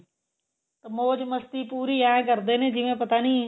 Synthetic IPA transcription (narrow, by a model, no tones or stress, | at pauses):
t̪ɐmoːd͡ʑmɐst̪ipuːɾijaːẽkɐɾd̪enẽd͡ʑɪʋẽpɐt̪anĩ